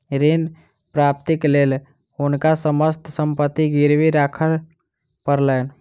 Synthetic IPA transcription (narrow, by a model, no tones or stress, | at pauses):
ɾen | pɾap̚t̪iklel | unkasəməst̪ʰsəmpət̪ːiɡiɾbiɾakʰəl | pəɾlən